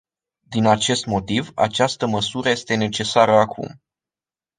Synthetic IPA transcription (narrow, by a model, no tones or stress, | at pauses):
d̪inat͡ʃe̞st̪mo̞t̪iva̰t͡ʃast̪əməsuɾəjest̪e̞ne̞t͡ʃe̞saɾəakʰṵm